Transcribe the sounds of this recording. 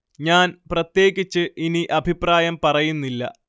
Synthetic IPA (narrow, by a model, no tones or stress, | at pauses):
ɲaːnprɐt̪je̞ːɣit͡ɕːɨʔiniʔɐbʱipraːjɐmpɐrɐjunːilːɐ̰